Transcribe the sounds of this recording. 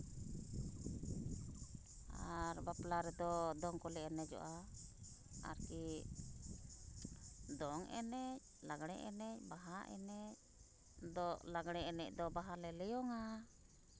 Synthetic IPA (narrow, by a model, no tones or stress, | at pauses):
aɾbaplaɾɛd̪ɔd̪ɔŋkɔlɛɛnɛd͡ʒɔ̰ʔa | a̰ɾki | d̪ɔŋɛ̰nɛc̚laɡɽ̃ɛʔɛ̰nɛc̚ˀbaɦaʔɛ̰nɛc̚ | d̪ɔʔlaɡɽ̃ɛɛnɛc̚ˀd̪ɔbaɦalɛlɛjɔŋa